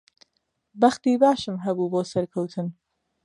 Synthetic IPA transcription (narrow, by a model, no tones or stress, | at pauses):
bɐxt̪iːbaːʃɨmɦɐbuːboːsɐɾkʰɐwt̪ʰɨn